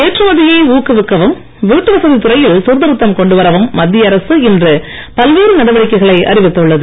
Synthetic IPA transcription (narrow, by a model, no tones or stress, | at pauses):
eːʈrɯmɐðɪjeːuːkɯʋɪkːɐʋɯm | ʋiːʈːɯʋɐsɐðit̪ɯɾɐjɪlsʊɾðɐɾɯt̪ːɐmkɔɳɖɯʋɐɾɐʋɯmːɐd̪ːɪjɐɐɾɐsɯɪndrɯ | pɐlʋeːɾɯnɐɽɐʋɐɽɪkːɐɪɣɐɭɐɪʔɐ̰ɾɪʋɪt̪ːɯɭːɐðɯ